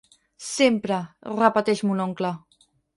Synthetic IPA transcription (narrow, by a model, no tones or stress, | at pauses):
sempɾərəpət̪ɛʃmunoŋklə